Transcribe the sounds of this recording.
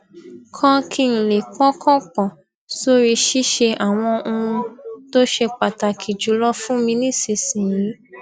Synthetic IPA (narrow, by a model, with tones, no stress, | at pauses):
kʰã˦kʰi˦˨ñ̩˨le˨kɔ̃˦kʰɔ̃˦k͡pɔ̃˨ | so˦ɾi˧ʃi˦ʃe˧ʔa˨w̃ɔ̃˧ʔo˧ũ˧to˦ʃe˧k͡pa˨ta˨kʰi˨d͡ʒu˨˧˦lɔ˦fũ˦mĩ˧nĩ˦˨si˨sĩ˨jĩ˨˦